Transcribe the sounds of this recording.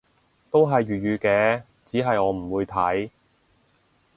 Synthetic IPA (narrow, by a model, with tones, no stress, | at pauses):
t̪o˥wɦɐ˨jɥyː˨t̚jyː˨˧kɛː˧ | t͡siː˨˥ɦɐ˨jɔː˨˧m̩˨˩wuː˨˧jt̪ʰɐ˨˥j